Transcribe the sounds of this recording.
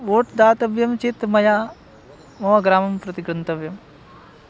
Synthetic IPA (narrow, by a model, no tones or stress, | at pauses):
ʋoːʈd̪aːt̪ɐʋjɐmt͡ʃit̪mɐjaː | moːʋɐɡɾaːmɐmpɾɐt̪iɡɾɐnt̪ɐʋjɐm